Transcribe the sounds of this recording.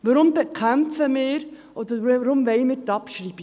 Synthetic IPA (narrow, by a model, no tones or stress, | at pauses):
ʋɔɾʊmbekʰæmfəmɪːɾ | ʔɔd̪əɾɾʊmvɛɪmɪːtɑpʃɾiːb̥i